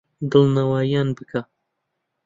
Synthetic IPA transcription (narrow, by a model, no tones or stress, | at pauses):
d̪ɨlnawajanbɨkʰa